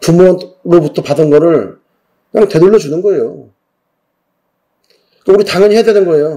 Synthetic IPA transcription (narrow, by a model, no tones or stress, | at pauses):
pumʌnɾobutʰʌpadɯnɡʌɾɯɭ | nanɯnte̞duɭːʌd͡ʑunɯnɡʌe̞jo | k͈auɾitaŋʌɲiɦeadenɯnɡʌe̞jo